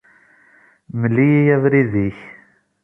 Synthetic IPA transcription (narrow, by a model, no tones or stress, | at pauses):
məlːijijævɾiðiç